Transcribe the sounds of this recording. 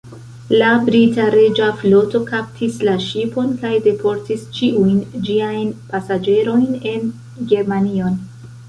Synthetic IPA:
labɾitaɾe̞d͡ʒaflo̞to̞kap̚tʰislaʃipo̞nkajde̞pʰo̞ɾtist͡ʃiujnd͡ʒiajnpasad͡ʒe̞ɾo̞jne̞n | ɡe̞ɾmanio̞n

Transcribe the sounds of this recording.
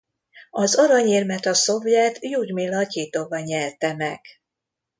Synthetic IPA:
ɒzo̞ɾɒɲiːrmɛt̪ɒso̞vjɛt̪juːɟmilːɒciːt̪ovɒɲɛrt̪ɛmɛɡ̥

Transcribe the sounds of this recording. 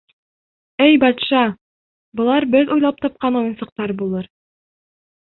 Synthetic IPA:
æjbɒt̪ʃɑ | bŏlˠɑɾbɘðujlˠɑp̚t̪ɒp̚qɑnujɤ̆nsɤ̆q̚t̪ɑɾbulˠɤɾ

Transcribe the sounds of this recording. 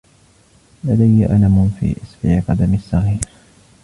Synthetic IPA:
lad̪ajːaʔalamʊnfḭːʔɪsbɪʕɪqɑd̪amsːɑɣiːɾ

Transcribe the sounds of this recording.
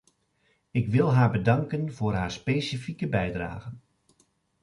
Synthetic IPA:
ɪkʋɪlˠɦaːɹbədɑŋkənvʊːrɦaːɹspeːsifikəbɛjdra̰ːɣən

